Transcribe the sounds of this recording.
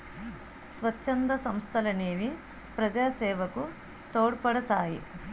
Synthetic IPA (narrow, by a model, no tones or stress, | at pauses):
sʋɐt͡ʃːɐnd̪ɐsɐmst̪ʰɐlɐneːʋi | pɾɐd͡ʒaːsɛːʋɐku | t̪oːɽpɐɽɐt̪aːji